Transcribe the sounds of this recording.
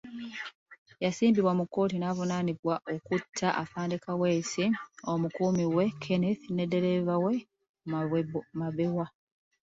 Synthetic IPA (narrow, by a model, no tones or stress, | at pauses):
jasiːmbiβwamukːo̞ːtinaːvunaniβwaʔokutʰːaʔafaːndekaweːsio̞mukuːmiwe̞kʰeneθine̞dːe̞ɾevawe | maβewa